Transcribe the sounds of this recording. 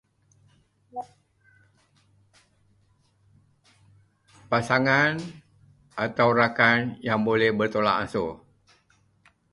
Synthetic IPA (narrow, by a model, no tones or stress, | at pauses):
pasaŋan | ʔat̪awrakanjaŋbolɛhbərt̪ola̰ʔanso